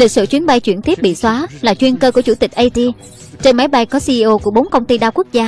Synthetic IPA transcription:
li˨˩k̚sɨ̰˧˨t͡ɕwi˨˦ənɓa˧jt͡ɕwḭ˧˩ənt̪ʰi˦˥əɓḭ˧˨swaː˨˦laː˨˩t͡ɕwi˧ənkəː˧ku˧˩ət͡ɕu˧˩t̪ï˨˩k̟̚ʔə˧jt̪i˧ | t͡ɕe˧nma˨˦jɓa˧jkɔ˨˦si˧ʔi˧ʔo˧ku˧˩əɓo˨˦nkə˧wŋ͡mt̪i˧ɗaː˧wku˦˥k̚zaː˧

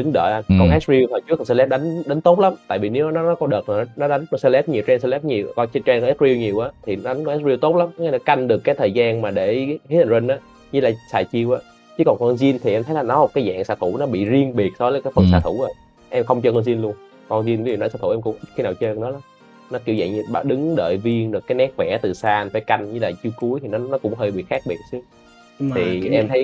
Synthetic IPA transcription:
ɗɨ˨˦ŋɗə̰ː˧˨˧kɔ˧nʔɛ˦˥s̚ɹi˧əwt̪ʰɔ˨˩jt͡ɕɨ˨˦˥kːnsɛ˧lɛ˦˥p̚ɗa˨˦jŋ̟ɗa˨˦n̟t̪o˦˥t̚la˨˦mt̪a̰ː˧˨vi˨˩ne˨˦wʔa˨˦nɔ˨˦nɔ˨˦kɔ˧˦ɗəː˨˩t̚ːn˨˦nɔ˨˦ɗa˨˦ŋkɔ˧sɛ˧lɛ˦˥p̚ɲi˨˩əwt͡ɕɛ˧nsɛ˧lɛ˦˥p̚ɲi˨˩əwkɔ˧t͡ɕt͡ɕɛ˧kɔ˧ɛ˦˥t̚ɾi˧wɲi˨˩əwʔaː˨˦t̪ʰi˨˩n˨˦ɗa˨˦ŋkɔ˧ʔɛ˦˥t̚zi˧wt̪o˦˥t̚la˨˦mka˨˩nɔ˨˦ka˧jŋ̟ɗɨ˨˩əkːaː˨˦jt̪ʰəː˨˩jzaː˧nmaː˨˩ɗe˧˩he˦˥t̪̚ʰwe˧nʔaː˨˦ | ɲɨ˧˦laː˨˩sa̰ː˧˨˩jt͡ɕi˧əwʔaː˨˦ | t͡ɕɨ˨˦kɔ˨˩nkɔ˧nzi˧ənt̪ʰi˨˩ʔɛ˧mt̪ʰə˨˦laː˨˩nɔ˨˦o˨˩kaː˨˦jza̰ː˧˨ŋsaː˧˩t̪ʰu˧˩nɔ˨˦ɓḭ˧˨zi˧əŋɓi˨˩ət̚sɔ˧˦vəː˨˦jkaː˨˦jfə˧s̬aː˧˩t̪ʰu˧˩zo˨˩j | ʔɛ˧mxə˧wŋ͡mt͡ɕɔ˧kɔ˧nzi˧nlu˧ən | kɔ˧nzi˧n˧˦znɔ˧˦˩saː˧˩u˧˩ʔɛ˧kʊ̰˧˥ŋ͡mʔi˦˥xi˧˦naː˨˩wt͡ɕəː˧nɔ˨˦la˨˦m | nɔ˨˦ki˧˩əwzə̰˧˨jɲɨ˧ɓaː˧˩ɗɨ˨˦ŋɗə̰ː˧˨jvi˧əŋɗɨ˨˩kːaː˨˦jnɛ˦˥k̚vɛ̰˧˩t̪ɨ˨˩saː˧ʔfaː˧˦jka˧jŋ̟ɲɨ˧laː˨˩t͡ɕi˧əwku˨˦əjt̪ʰi˨˩nɔ˨˦nɔ˨˦kʊ̰˧˥ŋ͡mɦəː˧jɓḭ˧˨xaː˦˥k̚ɓḭ˨˩ət̚sɨ˨˦ə | t̪ʰi˨˩ʔɛ˧mt̪ʰə˨˦j

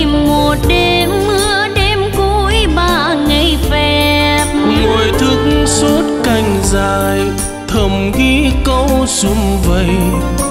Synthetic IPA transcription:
mmo˨˩t̚ɗe˧ | mːɨ˧˥˧əɗe˧mku˧˦jɓaː˧˩ŋə˧˩jfɛ˧˩p̚ŋo˨˩jt̪ʰɨ˧˦k̚ŋso˦˥t̚ka˧˩jŋ̟zaː˧˨˩j | t̪ʰə˨˩mɣi˧˦kə˧˦wsu˧˦ŋ͡mvə˧˨j

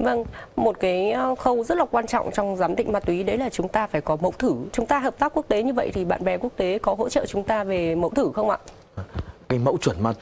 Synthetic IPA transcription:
və˧ŋmo˨˩t̚kaː˨˦jxə˧wzə˦˥t̚laː˨˩kwaː˧nt͡ɕɔ̰˧˨wŋ͡mt͡ɕɔ˧wŋ͡mzaː˨˦mɗḭ̈˧˨ŋ̟maː˧t̪wi˨˦ɗə˨˦jlaː˨˩t͡ɕʊ˨˦ŋ͡mt̪aː˧faː˧˩jkɔ˨˦mə̰˧˥wt̪ʰɨ˧˩t͡ɕʊ˨˦ŋ͡mt̪aː˧ɦəː˨˩p̪̚aː˦˥kːu˦˥ək̚t̪e˨˦ɲɨ˧və̰˧˨jt̪ʰi˨˩ɓa̰ː˧˨nɓɛ˨˩ku˦˥ək̚t̪e˨˦kɔ˨˦ɦo̰˧˥t͡ɕə̰ː˧˨t͡ɕʊ˨˦ŋ͡mt̪aː˧ve˨˩mə̰˧˥wt̪ʰɨ˧˩xə˧wŋ͡mʔa̰ː˧˨ | kaː˨˦jmə̰˧˥wt͡ɕwə˧˩nmaː˧t̪

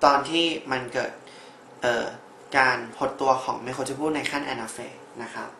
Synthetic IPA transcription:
t̪ɔː˧nt̪ʰiː˥˩ma˧nkɤː˨˩t̪̚ | ʔɤː˨˩ | kaː˧npʰo˦˥t̪ːu˧ɐkʰɔ̰ː˩˦ŋma˥˩jkʰo˧nt͡ɕa˧˩pʰuː˥˩t̪̚na˧jkʰa˥˩nʔɛ̰ː˧na˧feː˧ | na˦˥kʰa˦˥p̚

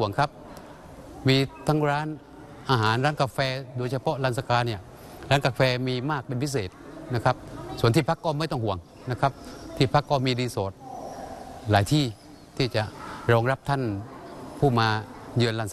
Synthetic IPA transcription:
əŋkʰa˦˥p̚ | miː˧t̪ʰa˦˥ŋɾaː˦˥n | ʔaː˧ɦaː˨˦nɾaː˦˥nkaː˧fɛː˧do˧jt͡ɕʰa˧pʰɔ˦˥la˧˩nsa˧kaː˧nːi˧˩ɐ | ɾaː˦˥nkaː˧fɛː˧miː˧maː˥˩k̚pe˧npʰi˦˥˩s̬eː˨˩t̪̚na˦˧˥kʰa˦˥p̚su˨˦ənt̪ʰiː˥˩pʰa˦˥kːɔː˧˩˨ma˥˩jt̪ɔ˥˩ŋhu˨˩˦əŋ | na˧˥˩kʰa˦˥p̚t̪ʰiː˥˩pʰa˦˥kːɔː˧˩miː˧diː˧soː˨˩˦t̪̚ | laː˨˦jt̪ʰiː˥˩ | t̪ʰiː˥˩t͡ɕa˨˩ʔɾɔː˧ŋɾa˦˥p̚t̪ʰa˥˩npʰuː˥˩maː˧jɯː˧nlaː˧˩n

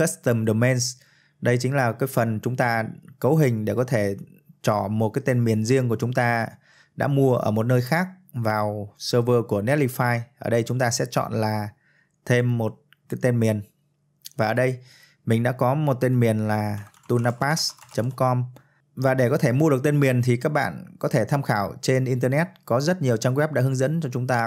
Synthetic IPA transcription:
xə˦˥st̪ə˧˩mɗo˨˩mɛ˧ns | ɗə˧jt͡ɕï˨˦ŋ̟laː˨˩kaː˨˦jfə˨˩nt͡ɕʊ˨˦ŋ͡mt̪aː˧kə˨˦wɦï˨˩ŋ̟ɗe˧˩kɔ˨˦t̪ʰe˧˩ | t͡ɕɔ˧˩mo˨˩t̚kaː˨˦jt̪e˧nmi˨˩ənzi˧əŋk̬u˧˩ət͡ɕʊ˨˦ŋ͡mt̪aː˧ | ɗa̰ː˧˥mu˧əʔə̰ː˧˩mo˨˩t̚nəː˧jxaː˦˥k̚vaː˨˩wsəː˧vəː˧ku˧˩ənɛ˦˥t̚li˧faː˧jʔəː˧˩ɗə˧jt͡ɕʊ˨˦ŋ͡mt̪aː˧sɛ̰˧˥t͡ɕɔ̰˧˨nlaː˨˩ | t̪ʰe˧mːo˨˩t̚ | kaː˨˦jt̪e˧nmi˨˩ən | vaː˨˩ʔəː˧˩ɗə˧j | mï˨˩ŋ̟ɗa̰ː˧˥kɔ˨˦mo˨˩t̚t̪e˧nmi˨˩ənlaː˨˩t̪u˧naː˧paː˦˥st͡ɕə˨˦mkɔ˧m | vaː˨˩ɗe˧˩kɔ˨˦t̪ʰe˧˩mu˧əɗɨ˨˩ək̚t̪e˧nmi˨˩ənt̪ʰi˨˩kaː˦˥k̚ɓa̰ː˧˨nkɔ˨˦t̪ʰe˧˩t̪ʰaː˧mxaː˧˩wt͡ɕe˧nʔi˧nt̪əː˧nɛ˦˥t̚kɔ˨˦zə˦˥t̚ɲi˨˩əwt͡ɕaː˧mwɛ˦˥p̚ɗa̰˧˥hɨ˨˦ŋzə̰˧˥nt͡ɕɔ˧t͡ɕʊ˨˦ŋ͡mt̪aː˧

